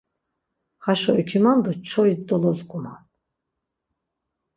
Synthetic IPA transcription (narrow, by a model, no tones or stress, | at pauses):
haʃɔikʰimand̪ɔt͡ʃʰɔjd̪ɔlɔzɡʼuma̰n